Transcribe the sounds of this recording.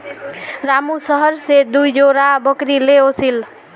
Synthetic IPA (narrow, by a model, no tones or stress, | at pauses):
ɾamusəɦəɾsed̪ujd͡ʒoɾabəkɾileosil